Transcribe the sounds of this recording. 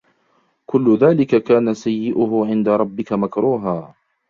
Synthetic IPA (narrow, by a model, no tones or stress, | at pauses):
kʊlːʊðaːlɪkakaːnasajːɪʔʊɦʊʕɪnd̪aɾˤɑbːɪkamakɾuːɦaː